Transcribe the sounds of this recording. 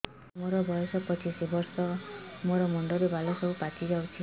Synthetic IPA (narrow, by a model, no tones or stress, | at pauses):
moɾɔbʱɔjɔsɔpɾɔt͡ʃʰisɔbɔɾsɔmoɾɔmɔɳɖɔɾibʱalɔsɔupatid͡ʒawt͡ʃʰi